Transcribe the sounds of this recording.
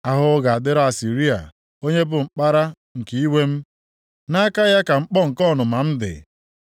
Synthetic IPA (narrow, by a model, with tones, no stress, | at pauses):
a˦ɦʊ˦ɡa˨a˨dɪ˦ɾɔ˦a˨si˨ɾi˦a̰˨ | o˦ɲe˦bʊ˨ŋ͡m̩˨k͡pa˦ɾa˦ | ŋ̩˨ke˦i˦we˦m̩˦ | na˦a˦ka˦ja˦ka˨ŋ͡m̩˦k͡pɔ˦ŋ̩˨kɔ˦˨nʊ˨ma˨m̩˦dɪ̰˨